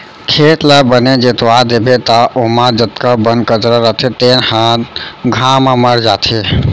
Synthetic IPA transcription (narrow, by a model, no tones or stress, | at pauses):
kʰet̪labəned͡ʒet̪ʋad̪ebet̪aʔomad͡ʒət̪kabənkəd͡ʒɾəɾət̪ʰet̪enhãt̪ɡʱaməməɾd͡ʒat̪ʰe